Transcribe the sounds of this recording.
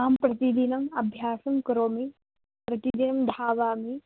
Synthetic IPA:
aːmpɾɐt̪id̪inɐmɐbʱjaːsɐmkɐɾoːmi | pɾɐt̪id̪inɐmd̪ʱaːʋaːmi

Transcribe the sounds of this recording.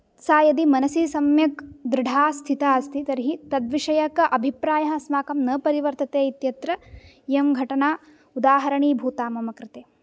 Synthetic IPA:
saːjɐd̪imɐnɐsisɐmjɐkd̪ɾɪɖʱaːst̪ʰit̪aːɐst̪ʰit̪ɐɾiɦit̪ɐd̪ʋiʂɐjɐkɐʔɐbʱipɾaːjɐɦɐ̆smaːkɐmnɐpɐɾiʋɐɾt̪ɐt̪eːit̪jɐt̪ɾɐ | jemɡʱɐʈɐnaː | ud̪aːɦɐɾɐɳiːbʱuːt̪aːmɐmɐkɾɪt̪eː

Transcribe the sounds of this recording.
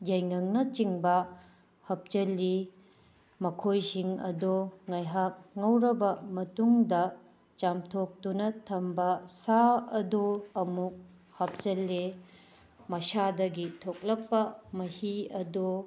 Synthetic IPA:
jɐjŋɐŋnɐt͡ʃiŋbɐ | hɐp̚t͡ʃɐlːi | mɐkʰojsiŋɐ̰doŋɐjɦak̚ŋɐwɾɐbɐmɐtuŋdɐ | t͡ʃamtʰok̚tunɐtʰɐmbɐsaɐdoɐmuk̚ | hɐp̚t͡ʃɐlːe | mɐsadɐɡitʰok̚lɐk̚pɐmɐhiɐdo

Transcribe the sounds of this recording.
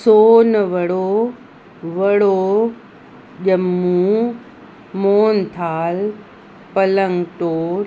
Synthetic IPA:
soːnʋɐɽo | ʋɐɽo | ʄɐmːũː | moːnt̪ʰaːl | pɐləŋɡʈoːɾ

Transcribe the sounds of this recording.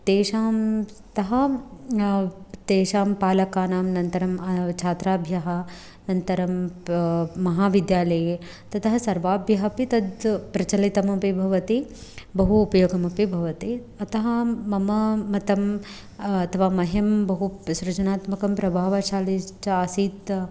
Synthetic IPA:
t̪eːʃaːm | t̪ɐɦɐ | t̪eːʃaːmpaːlɐkaːnaːmnɐnt̪ɐɾɐmɐt͡ʃʰaːt̪ɾaːbʱjɐɦɐ | nɐnt̪ɐɾɐmː | ɐɦaːʋid̪jaːlɐje | t̪ɐt̪ɐɦɐsɐɾʋaːbʱjɐɦɐpit̪ɐd̪pɾɐt͡ʃɐlit̪ɐmɐpibʱɐʋɐt̪ibɐɦuːpɐjoːɡɐmɐpibʱɐʋɐt̪i | ɐt̪ɐɦɐmɐmɐːɐt̪ɐm | ɐt̪ʰɐʋaːmɐɦembɐɦusɾɐt͡ʃɐnaːt̪mɐkɐmpɾɐbʱaːʋɐʃaːlit͡ʃɐɐsiːt̪

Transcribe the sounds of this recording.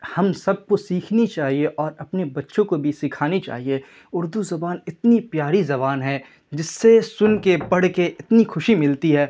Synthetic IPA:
hɐmsɐb̚kosiːkʰnit͡ʃaːɦieʔɔːɾɐpnebɐtːʃõkobʱisɪkʰaːnit͡ʃa̰ːɦie | ʊɾd̪uzɐbaːnɪt̪nipjaːɾizɐβaːnɦɛː | d͡ʒɪsːesʊnkepɐɽkeʔɪt̪nixʊʃimɪlt̪iɦɛː

